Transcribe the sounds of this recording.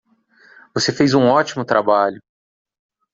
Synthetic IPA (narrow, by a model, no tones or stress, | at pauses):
vosefejzũɔt͡ʃimʊt̪ɾʔabaʎʊ